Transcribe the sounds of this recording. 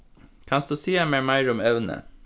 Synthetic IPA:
kʰɑnsd̪ʉːsiːæmeːmæɪɾʊmɛʋnə̰

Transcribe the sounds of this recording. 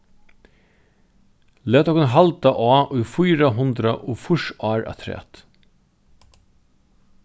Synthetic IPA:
lɛːt̪ɔkʊnɦalt̪aʔaːʔʊjfʊjɾaɦʊnd̪ɾaʔʊːfʊʂaːɹa̰t̪ʰɾɛ̰ːt̪

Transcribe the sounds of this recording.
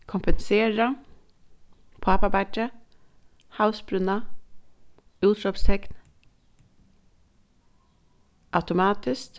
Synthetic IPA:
kʰʊmpənseːɹɑ | pʰɑɑpɑbæʈːə | haʉsbɾʉnɑ | ʉːt̪ʰɾɔpst̪ʰɛkn | ʔaʉt̪ʊmɑːt̪ɪs

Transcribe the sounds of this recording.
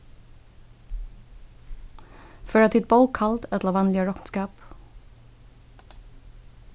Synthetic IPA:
fœɹɑt̪ɪt̪̚bɑʊkʰɑlt̪ɛt̪lɑʋɑnlɪəɹɔkn̩skɑːp

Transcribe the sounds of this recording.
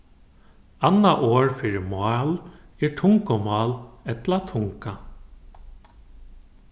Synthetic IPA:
anːaʔoːɹfɪɾɪmɑːlɛɹʈʰʊŋkomɑːlɛt̪lat̪ʰʊŋka

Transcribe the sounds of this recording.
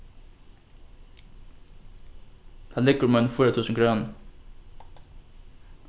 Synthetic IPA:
d̪æːlɪɡəɾmonfyːɾət̪ʰʉːsəŋ̩kʰɾøːn

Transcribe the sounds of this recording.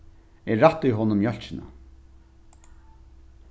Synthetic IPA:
ɛːat̪ːʏjɦɔːnʊmjœl̥t͡ʃɪna̰

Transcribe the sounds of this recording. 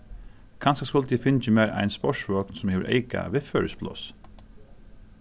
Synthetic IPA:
kʰɑnsaskʊləd̪ifɪnt͡ʃəmeːɾʔæ̰ɪnspɔʂʋɔːknsʊmeːʋə̰ʔḛɪka̰ʋɪfœːɹəsplɔ̰s

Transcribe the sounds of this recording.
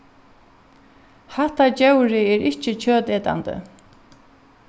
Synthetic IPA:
haht̪at͡ɕɛwɾɪɛɾʔɪht͡ʃɪt͡ɕʰœːt̪ɛːt̪a̰nt̪ə̰

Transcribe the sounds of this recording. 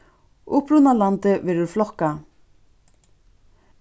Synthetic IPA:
ʊhpɾunalant̪ɪʋɛːɾʏɾflɔhkːa

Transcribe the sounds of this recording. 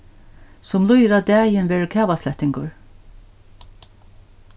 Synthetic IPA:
sʊmlˠʊjɪɾad̪æːjɪnʋɛːɹəkʰæːvaslɛht̪ɪŋkʊɹ

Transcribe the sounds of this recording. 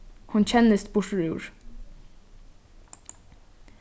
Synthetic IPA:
hʊnt͡ɕʰɛnəst̪bʊʂəɹʉʉːɹ

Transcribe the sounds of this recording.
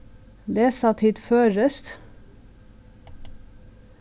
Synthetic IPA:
leːsɑt̪ʰɪt̪føːɾəst̪

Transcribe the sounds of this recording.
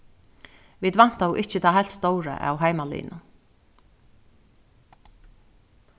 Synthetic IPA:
vid̪van̥t̪auʔɪhcɪt̪ʰaːɦajl̥t̪st̪owɾə̰ʔa̰wɦajmalḭːnʊ

